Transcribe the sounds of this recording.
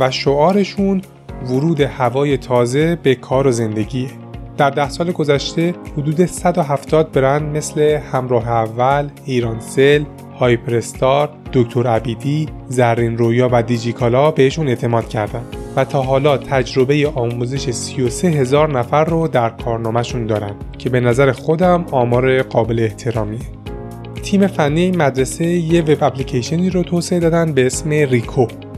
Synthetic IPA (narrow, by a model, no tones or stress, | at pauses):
væʃoɒːɾe̞ʃun | voɾuːd̪e̞hævɒːje̞t̪ʰɒːze̞be̞kʰɒːɾo̞ze̞nd̪e̞ɟiː | d̪̥æɾd̪æhsɒːle̞ɡo̞zæʃt̪e̞hod̪uːd̪e̞sæd̪oɦæft̪ʰɒːd̪̚be̞ɾænd̪me̞sle̞hæmɾɒːɦe̞ævːæliːɾɒːnse̞l | hɒːjpʰeɾest̪ɒːɾd̪̥o̞ct̪ʰo̞ɾæbiːd̪iː | zæɾrːinɾojɒːvæd̪id͡ʒit̪ʰɒːlɒːbehiʃune̞ːt̪ʰe̞mɒːd̪̥cʰæɾd̪ænd̪væt̪ʰɒːɦɒːlɒːt̪ʰæd͡ʒɾo̞be̞je̞ʔɒːmuze̞ʃesijo̞se̞ɦe̞zɒːɾnæfæɾːod̪æɾkʰɒːɾnɒːmæʃund̪ɒːɾænd̪cʰe̞be̞næzæɾexo̞d̪æmɒːmɒːɾe̞ɢɒːbe̞leːht̪ʰe̞ɾɒːmiːe | t̪ʰiːme̞fænːijeinmæd̪ɾese̞jeve̞bæplicʰeʃieniːɾɔt̪ʰoːseed̪ɒːd̪ænd̪̚be̞esme̞ɾikʰo